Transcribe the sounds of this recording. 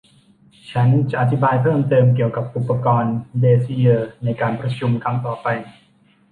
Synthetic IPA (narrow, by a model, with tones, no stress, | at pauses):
t͡ɕʰa˦˥nt͡ɕa˨˩ʔa˨˩t̪ʰi˦˥baː˧jpʰɤː˥˩mt̪ɤː˧mk̬i˨˩əwka˨˩p̚ʔu˨˩pːa˧kɔː˧ndeː˧si˧˥jɤː˧˩na˧jkaː˧npɾa˧t͡ɕʰu˧mkʰa˦˥ŋt̪ɔː˨˩pa˧j